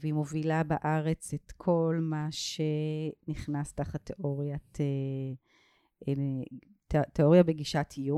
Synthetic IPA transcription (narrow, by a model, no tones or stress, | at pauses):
veimovilabaʔaʁe̞t͡setkʰo̞lmaʃeniχnastaχat̪eʔoʁjatʰe | e | t̪eo̞ʁjabeɡiʃatʰiju